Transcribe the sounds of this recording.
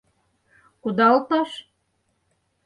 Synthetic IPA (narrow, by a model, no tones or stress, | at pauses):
kud̪ɑlt̪ɑʃ